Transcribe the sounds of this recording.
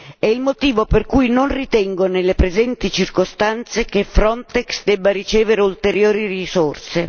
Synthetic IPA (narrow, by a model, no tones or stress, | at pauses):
ɛilmot̪iːvoperkujnonrit̪ɛŋɡonelːepɾezɛnt̪it͡ʃirkost̪ant̪sek̟efɾɔnt̪ɛksd̪ɛbːaɾit͡ʃɛːveɾeult̪eɾjoːɾirisorse